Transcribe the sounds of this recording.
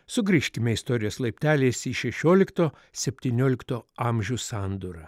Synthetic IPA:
sʊɡɾʲiʃʲkʲɪmʲɛɪst̪ɔɾʲɪjoːslˠɐɪpʲt̪ʲæːlʲeːsiːʃʲɛʃʲoːlʲɪkt̪oː | sʲɛpʲt̪ʲiːnʲoːlʲɪkt̪oːɑmʲʒʲuːsɑnd̪uɾɐ

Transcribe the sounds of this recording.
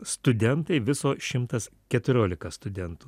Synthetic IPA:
st̪ʊd̪ʲɛnt̪ɐɪʋʲɪsoːʃʲɪmt̪ɐskʲɛt̪ʊɾʲoːlʲɪkɐst̪ʊd̪ʲɛnt̪ʊː

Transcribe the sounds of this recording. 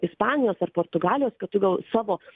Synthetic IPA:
ɪspɑːnʲɪjoːsɐrpoːɾt̪ʊɡɑːlʲɪjoːskɐt̪ʊɡʲɐlˠsɑːʋoː

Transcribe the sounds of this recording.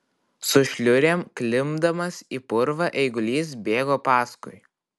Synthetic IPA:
sʊʃʲlʲʊɾʲeːmklʲɪmd̪ɐmɐsiːpʊɾʋɐʔɛɪɡʊlʲiːs̬bʲeːɡoːpɑːskʊɪ

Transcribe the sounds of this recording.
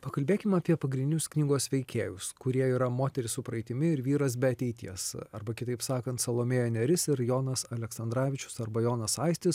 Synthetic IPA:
pɐkɐlʲbʲeːkʲɪmɑːpʲiɛpɐɡɾʲɪnʲd̪ʲɪnʲʊsknʲiːɡoːsʋʲɛɪkʲeːjʊskʊɾʲiɛiːɾɐmoːt̪ʲɛɾʲɪsʊpɾɐɪt̪ʲɪmʲɪɪɾʋʲiːɾɐs̬bʲɛɐt̪ʲɛɪt̪ʲiɛsɐɾbɐkʲɪt̪ɐɪpsɑːkɐnt̪sɐlˠoːmʲeːjoːnʲɛɾʲɪsɪɾjoːnɐsɐlʲɛksɐnd̪ɾɑːʋʲɪt͡ʃʲʊ̥sɐɾbɐjoːnɐsɐɪsʲt̪ʲɪs

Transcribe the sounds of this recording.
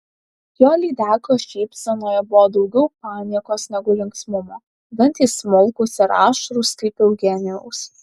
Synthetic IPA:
joːlʲiːd̪ʲæːkoːʃʲɛɪpʲsʲɛnoːjɛbʊʋɔːd̪ɒʊɡʲɛʊpɑːnʲiɛkoːsnʲɛɡʊlʲɪŋksmʊmoː | bʲɛnʲt̪ʲismɔlˠkʊsɪɾɑ̰ːʃɾʊskɐɪpʲɛʊɡʲɛnʲɛ̰ʊs

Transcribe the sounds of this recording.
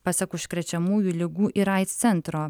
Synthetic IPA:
pɑsʲɐkʊʃkɾʲɛt͡ʃʲɛmuːjuːlʲɪɡuːʔɪɾɐˑɪt̪st̪sʲɛnt̪ɾoː

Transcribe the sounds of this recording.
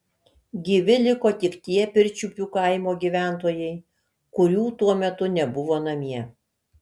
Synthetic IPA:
ɡʲiʋʲɪlʲɪkoːt̪ʲɪkt̪ʲiɛpʲɪɾʲt͡ʃʲupʲuːkɐɪmoːɡʲiʋʲæˑnt̪oːjɛɪ | kʊɾʲuːt̪uɔmʲɛt̪ʊnʲɛbʊʋoːnɐmʲiɛ

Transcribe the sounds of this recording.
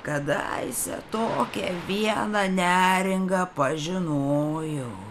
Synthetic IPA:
kɐd̪ɐ̰ɪsʲɛ̰t̪oːkʲɛʋʲiɛnɐnʲæːɾʲɪŋɡɐpɐʒʲɪnoːjɛ

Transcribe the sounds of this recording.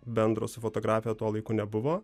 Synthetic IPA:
bʲɛnd̪ɾo̰ːsʲɪfot̪oːɡɾɑːfʲɪjɛt̪uɔlˠɐɪkunʲɛbʊʋoː

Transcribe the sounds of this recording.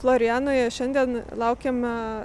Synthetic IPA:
flˠoːɾʲɪæːnoːjɛʃʲɛnʲd̪ʲiɛnlˠɑʊkʲɛm

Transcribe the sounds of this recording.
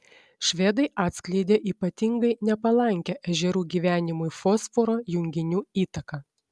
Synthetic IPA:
ʃʲʋʲeːd̪ɐɪʔɑːt̪ʲsʲklʲɛɪd̪ʲeːʔiːpɐt̪ʲɪŋɡɐɪnʲɛpɐlˠɐŋʲkʲɛʔɛʒʲɛɾuːɡʲiːʋʲæːnʲɪmʊɪfoːsfoɾoːjʊŋʲɡʲɪnʲuːiːt̪ɐkɑ

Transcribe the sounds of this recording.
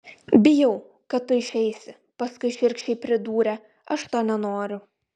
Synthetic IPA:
bʲɪjɛʊ | kɐt̚t̪ʊɪʃʲɛɪsʲɪ | pɐskʊɪʃʲɪɾʲˑkʃʲt͡ʃʲɛɪpʲɾʲɪd̪uːɾʲɛ | ɐʃt̪oːnʲɛnoːɾʲʊ

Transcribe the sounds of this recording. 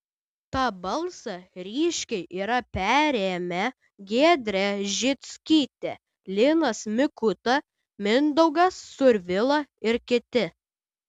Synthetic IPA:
t̪ɑːbɐlˠsɐɾʲiːʃʲkʲɛɪʔiːɾɐpʲæːɾʲeːmʲɛ | ɡʲeːd̪ʲɾʲɛʒʲɪt̪sʲkʲiːt̪ʲeɛ | lʲɪnɐsmʲɪkʊt̪ɐ | mʲɪnd̪ɐʊɡɐsːʊɾʲʋʲɪlˠɐɪɾkʲɪt̪ʲɪ

